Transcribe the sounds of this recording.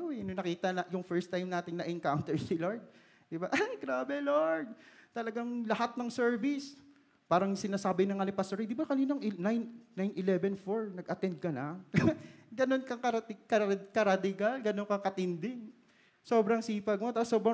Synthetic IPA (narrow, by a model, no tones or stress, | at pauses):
ononɐkiːt̪ɐnɐjʊŋfɛɹst̪ːajmnaːt̪ɪŋnɐʔɛnkawnt̪ɛɹsiloɹd̪̚ | d̪ɪbaʔɡɾaːbɛloɹd̪̚t̪ɐlɐɡaŋlɐhat̪̚nɐŋsɛɹvɪs | paːɾɐŋsɪnaːsaːbɪnɐŋɐnɪpɐsoɾid̪ɪbakɐniːnoɐŋʔɪnajnːajnʔɪlɛbɛnfoɹnɐɡʔɐt̪ɛnd̪̚kɐnɐ | ɡɐno̞nkɐŋkɐɐt̪ɪkɐkɐɾad̪ɪɡalɡɐnoŋkɐkɐt̪ɪnd̪ɪŋ | soːbɾɐŋsiːpɐɡ̚mot̪asoːbɾɐ